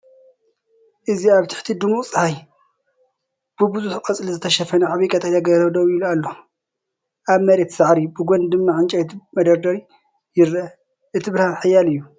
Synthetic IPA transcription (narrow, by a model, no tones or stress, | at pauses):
ʔɨziaβt̪ʰɪ̥ħt̪ʰid̪ɨmut͡sʼɨhaj | b̥ɨbɨzʼuħqʼɐt͡sʼlizɨt̪ʰɐʃɐfɐnɨʕaβijkʼɐt̪ʰʼat̪aɡɐɾɐwd̪ɐwilualːo | ʔaβmɐɾe̞t̪saʕɾibɨɡond̪ɨmːaʕɨnt͡ʃʼɐjt̪mɐd̪ɐɾd̪ɐɾi | jɪɾɐ | ʔɨt̪ʰiβɨɾhalħajːalɨjːu